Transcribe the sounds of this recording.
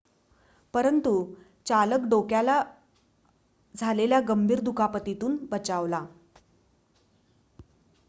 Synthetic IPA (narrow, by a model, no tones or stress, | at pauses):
pəɾənt̪u | t͡saləkɖokjala | d͡zʱaleljaɡəmbʱiːɾd̪ukapət̪it̪uːnbət͡ɕaʋla